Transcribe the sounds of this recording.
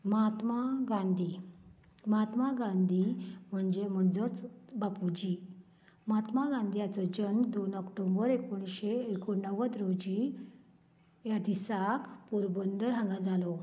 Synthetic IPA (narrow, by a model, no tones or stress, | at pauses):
mat̪maɡãnd̪ʱi | mat̪maɡãnd̪ʱim̤əɳd͡ʑem̤əɳd͡zət͡sbapud͡ʑi | mat̪maɡãnd̪ijat͡sɔd͡ʑənd̪onɔkʈombəɾekoɳ̃ɕeːkonːəʋət̪ɾod͡ʑi | jad̪isakpuɾbənd̪əɾɦãŋɡad͡zalɔ